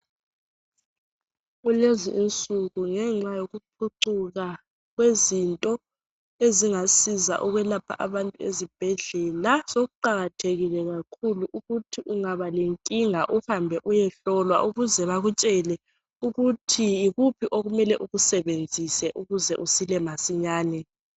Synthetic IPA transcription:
ulezḭʔint͡sʼuɣuŋɛŋ͡ǁajoɣuǃʰuǀuɣa | ɣwezintʼɔ | eziŋasiza̰ʔuɣwɛlapʰa̰ʔaβantʼuezib̥ʱɛɮɛlasoɣuǃaɣatʰeɣilɛɣakʰuluʔuɣutʰiuŋaβaleŋkʼiŋaʔuhambʱɛʔujɛɬɔlwa̰ʔuɣuzɛβaɣut͡ʃʼɛlɛ | uɣutʰiiɣupʰiʔoɣumɛlɛʔuɣusɛβend͡zʱisɛʔuɣuzɛʔusilɛmasiɲaːnɛ

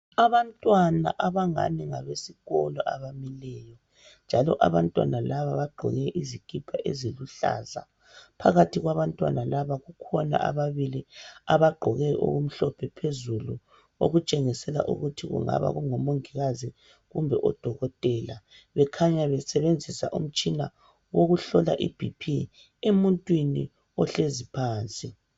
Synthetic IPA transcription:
aβantʼwana̰ʔaβaŋa̰niŋaβesiɣɔlɔʔaβamilɛːjɔ | nd͡ʒʱalɔ̰ʔaβantʼwa̰nalaβaβaɡ͡ǃʱɔ̰ɣɛʔizikʼipʰaʔeziluɬa̰ːza̰ | pʰa̰ɣatʰiɣwaβantʼwa̰nalaβaɣukʰɔna̰ʔa̰βaβiliaβaɡ͡ǃʱɔɣɛʔo̰ɣum̩ɬɔpʰɛpʰezulu | o̰ɣut͡ʃʼeŋisɛla̰ʔṵɣutʰiɣṵŋa̰βa̰ɣuŋɔmoŋiɣazi | ɣumbʱɛʔɔd̥ʱɔɣɔtʼɛːla | βɛkʰaɲaβɛsɛβend͡zʱisa̰ʔum̩t͡ʃʼina | woɣuɬɔla̰ʔḭb̥ʱipʰi | emuntʼwini | ɔɬezipʰaːnt͡sʼi

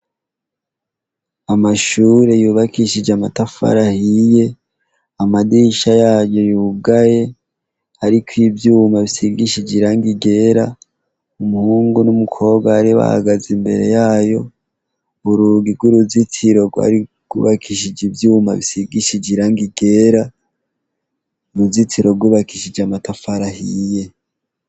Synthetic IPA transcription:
amaʃuːɾe̞juːβakiʃid͡ʒamatafa̰ɾahije̞ | amadiʃajaːjo̞juːɡaje̞ | aɾikwibjuːmaβisiɡiʃid͡ʒiɾaŋɡiɡe̞ɾa | umuhuːŋɡunumukʰo̞ːbɡwaːɾiβa̰ha̰ɡazimbe̞̰ɾe̞̰jaːjo̞ | uɾuɡiɡwuɾuzitʰiɾo̞ɡwa̰ɾi | ɡ̥ṵβakʰiʃ̬id͡ʒivjuːma̰βisiɡiʃid͡ʒiɾaŋɡiɡe̞ɾa | uɾuzitiɾo̞ɡuβakiʃid͡ʒamatafaɾahije̞

